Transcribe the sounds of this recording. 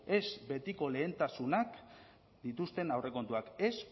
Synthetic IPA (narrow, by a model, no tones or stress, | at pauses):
e̞zbe̞t̪iko̞le̞ːnt̪asunak | d̪it̪ust̪e̞nawre̞ko̞nt̪uake̞s